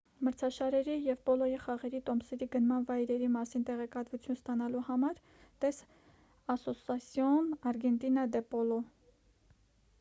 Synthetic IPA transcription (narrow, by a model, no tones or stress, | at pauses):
məɾt͡sʰɑʃɑɾɛɾijɛvpɔlɔjiχɑʁɛɾit̪ɔmsɛɾiɡənmɑnvɑjɾɛɾimɑsint̪ɛʁɛkɑt̪vut͡sʰjunst̪ɑnɑluhɑmɑɾ | t̪ɛs | ɑsɔsɑsjɔnɑɾɡɛnt̪inɑd̪ɛpɔlɔ